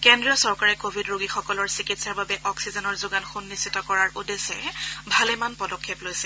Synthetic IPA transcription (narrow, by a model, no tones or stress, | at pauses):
kendɹijɔsɔɹkaɹɛkobʱidɹoɡixɔkɔlɔɹsikitsaɹbabɛʔɔksizɔnɔɹzʊɡanxunːistːitɔkɔɹaɹʔudesɛ̰bʱalɛmanpɔdɔkʰːeplojsɛ̥